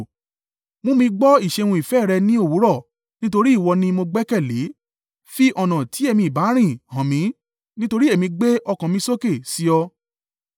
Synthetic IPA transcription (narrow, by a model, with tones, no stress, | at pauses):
mõ˧˦mĩ˧ɡ͡bɔ˦i˦˨ʃe˧w̃ũ˧i˨fɛː˦˨ɾɛ˧nĩ˦o˦˨wu˨˦ɾɔ˦˨ | nĩ˦to˧ɾi˦˨wɔ˧nĩ˧mo˧ɡ͡bɛ˦kɛ˦˨le˨˦ | fi˦ʔɔ˨nã˨ti˨˦e˦˧mĩ˧˦i˨ba˨˦ɾ̃ĩ˦˨hã˨mĩ˧˦ | nĩ˦to˧ɾi˦e˦˨mĩ˧ɡ͡be˦ʔɔ˧kã˨mĩ˧so˦ke˦˨si˨˦ɔ˧